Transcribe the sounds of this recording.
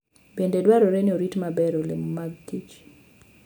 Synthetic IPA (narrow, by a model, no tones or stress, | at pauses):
bendedwaɾoɾenɪoɾitmabɛɾolḛmmaɡ̚tit͡ʃ